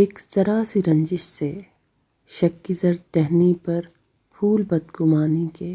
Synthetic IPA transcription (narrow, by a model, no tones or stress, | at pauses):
eːkzɐɾasiɾɐ̃ɲd͡ʒɪʃse | ʃɐkːizɐɾt̪ɛɦnipɐɾ | pʰuːlbɐd̪ɡʊmaːnikeː